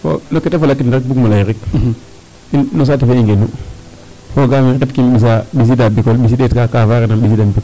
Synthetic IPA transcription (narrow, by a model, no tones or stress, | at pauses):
fɔ̰nɔkɛtefolakːindaɾik̚bukmulajɾik | innɔs̬atifeiŋɡenu | foɡamikɛtkimɓis̬aɓis̬idabikɔlɓis̬idetkakafaɾenamɓis̬idambik